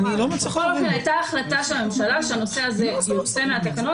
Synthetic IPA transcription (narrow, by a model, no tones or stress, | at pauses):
ilomat͡siχolofenajtaːχlat̪aʃelamemʃalaʃeano̞se̞azezose̞meat̪akano